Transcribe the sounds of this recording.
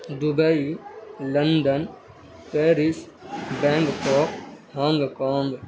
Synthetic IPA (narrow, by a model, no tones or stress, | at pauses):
d̪ubɐilɐnɖ̪ən | peːɾis | bɛ̃ːŋɡkoːkhãːŋɡkãːŋɡ